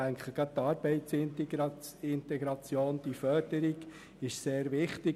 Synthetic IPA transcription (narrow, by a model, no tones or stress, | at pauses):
æŋkχəɡ̥ɑt̚t̪ːɑːɾb̥ɛɪtt͡sɪnt | ɪnt̪ɛɡɾɑt͡sjoːnd̥ifœd̥əɾiɡ̥ | ɪʃseːɾʋɪχtɪ